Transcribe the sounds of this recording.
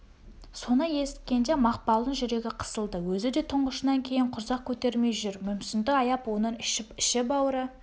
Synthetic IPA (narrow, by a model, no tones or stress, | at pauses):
so̞nəje̞sɪ̥t̪̚kʲe̞nd̪e̞mɑqpɑlˠənʒʏɾe̞ɡʲɪqʰə̥səlˠd̪əwɵzɪd̪e̞t̪ʰʊɴʁəʃənɑŋkʲʰe̞jɪɴqʰʊɾzɑq̚kʲʰɵt̪e̞ɾme̞jʒʏɾmʏmsɪnd̪ɪɑjɑpwo̞nəɪʃɪpɪʃɪp̬ɑwəɾə